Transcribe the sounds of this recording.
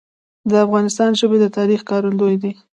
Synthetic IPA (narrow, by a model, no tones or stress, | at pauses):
d̪əafɣɑnɪst̪ɑnʒəbed̪ət̪ɑɾixkɑɾand̪ojd̪i